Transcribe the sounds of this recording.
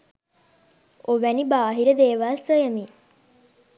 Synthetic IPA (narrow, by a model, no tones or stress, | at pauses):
oʋænibaːɦiɾəd̪eːʋaːsəjəmi